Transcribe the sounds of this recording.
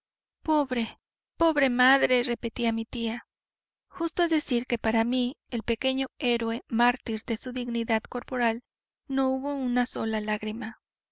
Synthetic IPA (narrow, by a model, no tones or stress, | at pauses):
po̞βɾe | po̞βɾe̞maðɾe̞re̞pet̪iamit̪ia | xust̪oezðesiɾke̞paɾamielpe̞ke̞ɲoe̞ɾwe̞maɾt̪iɾðe̞suðiɣniðað̥ko̞ɾpo̞ɾal | no̞uβo̞unaso̞lalaɣɾima